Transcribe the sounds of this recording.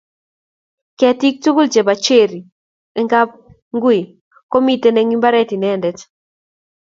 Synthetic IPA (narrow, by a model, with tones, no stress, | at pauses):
kɛ˨ti˦k̚tu˦ɡu˦lt͡ʃe˨ba˨t͡ʃe˦˨ɾi˨ | ɛ˦ŋɡa˦p̚ | ŋɡwi˨ | ko˦mi˦te˦nɛ˦ŋi˦mba˦ɾɛ˦ti˨nɛ˦˨ndɛ˨t